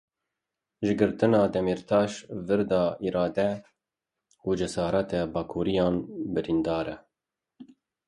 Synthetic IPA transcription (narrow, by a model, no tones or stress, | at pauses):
ʒɨɡɨɾt̪ɨnɑːd̪ɛmiɾt̪ʰɑːʃvɨɾd̪ɑːiːɾɑːd̪ɛ | uːd͡ʒɛsɑːɾɛt̪ɛbɑːkʰuːɾijɑːnbɨɾind̪ɑːɾɛ